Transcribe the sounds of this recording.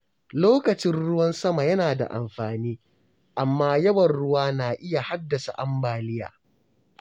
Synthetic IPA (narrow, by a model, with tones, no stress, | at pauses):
loː˦kɐ˨t͡ʃɪ˦nɽʊ˦wɐ˦nsɐ˦ma˨jɐ˦naː˨da̰˨ʔa̰˨mɸaː˨niː˦ | ʔa˨mːaː˦jɐ˦wɐ˨nɽʊ˦waː˦naː˨ʔɪ˦ja˨ha˦dːɐ˨sa̰˨ʔa˦mbaː˨lɪ˦ja̰ː˨